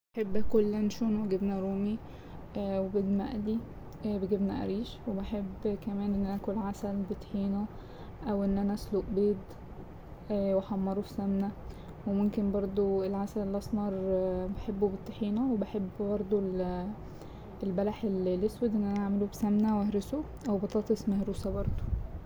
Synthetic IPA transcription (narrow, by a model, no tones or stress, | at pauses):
beħebːkolːænʃoːnweɡebnæɾuːmi | webed̪mæ̰ʔæd̪i | beɡebnæʔæ̰ɾiːʃwebeħebːkæmæːnʔenːʔæʔækolʕasælbet̪ħiːnæ | ʔæwʔenːʔænæʔæsloʔbeːd̪ | weħɑmːɑɾˤofi̥sæmnæ | wemomkenbɑɾˤd̪ˤoelʕasælelʔɑsˤmɑɾˤbeħebːobet̪ːħiːnæwebeħebːbɑɾˤd̪ˤol | elbælæħellːeswed̪ʔenːʔænæʔaʕmelobsæmnæwʔæhɾeso | ʔæwbɑt̪ˤɑːt̪ˤesmæhɾuːsæbɑɾˤd̪ˤo̥